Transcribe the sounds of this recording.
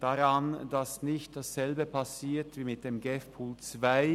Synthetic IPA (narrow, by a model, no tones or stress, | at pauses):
d̥aʁand̥asnɪçt̚d̥asz̥ɛlbəpʰasiːɐtv̥iːmɪt̚d̥eːmɡɛfpʰuːlt͡sv̥aɪ